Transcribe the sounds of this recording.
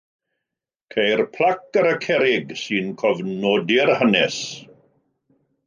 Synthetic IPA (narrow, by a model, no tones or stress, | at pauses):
kʰejrpʰlˠakəɾəkʰɛɾɪɡsɨnkʰɔvnɔdɪrhənɛs